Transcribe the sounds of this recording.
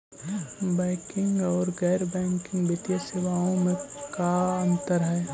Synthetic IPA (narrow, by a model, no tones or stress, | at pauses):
bɛ̃ːkɪ̃ŋɡɔːɾɣɛːɾbɛ̃ːŋkɪ̃ŋɡbɪt̪ijaseːʋaːõmẽkaə̃nt̪əɾɦɛ